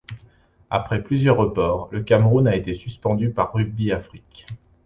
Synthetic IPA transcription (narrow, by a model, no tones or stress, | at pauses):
a̰pχɛplyzjœʁːəpɔːʁləkamʁunaet̪esyspɑ̃d̪ypaʁːybiafχik